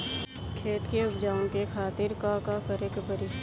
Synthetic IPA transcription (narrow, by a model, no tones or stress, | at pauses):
kʰeːt̪keʊpd͡ʒaːõkekʰaːt̪ɪɾkakakəɾekpəɾɪʃ